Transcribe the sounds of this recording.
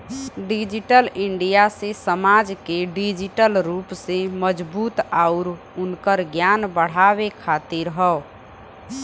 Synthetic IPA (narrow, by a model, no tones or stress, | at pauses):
ɖid͡ʒiʈəlɪɳɖijasesəmad͡ʒkeɖid͡ʒiʈəlɾuːpseməd͡ʒbuːt̪aʊɾ | ʊnkəɾɡjanbəɽ̤abekʰat̪iɾɦəo